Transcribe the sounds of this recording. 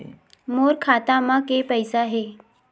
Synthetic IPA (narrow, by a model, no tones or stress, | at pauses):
moɾkʰat̪amakepəjsaɦe